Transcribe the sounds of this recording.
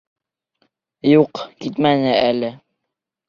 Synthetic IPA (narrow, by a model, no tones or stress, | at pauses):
juqkit̪mænɘælɘ